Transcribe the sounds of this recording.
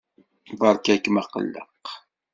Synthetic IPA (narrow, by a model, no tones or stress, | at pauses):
bɑɾˤkækəmæqə̰lːə̰q